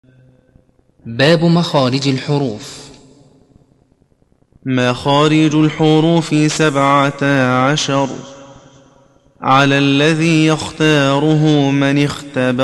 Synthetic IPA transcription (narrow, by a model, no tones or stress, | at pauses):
baːbʊmaxaːɾɪd͡ʒalħʊɾuːf | maːxaːɾɪd͡ʒalħʊɾuːfsabʕaʕaʃɑɾˤ | ʕalaːlːaðiːjaxt̪ɑːɾʊɦʊmɪnɪxt̪ab